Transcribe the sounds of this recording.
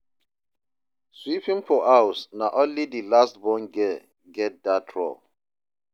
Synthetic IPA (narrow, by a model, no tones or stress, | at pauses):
swipĩmpɔʔawsnaʔɔ̃nlidilastbɔ̃nɡɛ | ɡɛt̚datʰɹɔ̰